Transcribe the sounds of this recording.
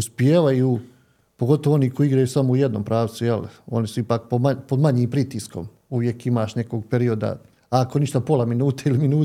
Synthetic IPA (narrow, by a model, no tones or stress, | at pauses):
uspjeːʋaju | poɡo̞t̪oʋooniːkoiiɡɾajusamoujed̪no̞ːmpɾaːʋ̪sujelo̞̰nisuipaːk̚pomapod̪maɲiːmpɾit̪isko̞̰m | uʋje̞kimaːʃne̞ko̞ːɡ̚peɾio̞d̪a̰ | ako̞niʃt̪apo̞lˠaminuːt̪eiliminuː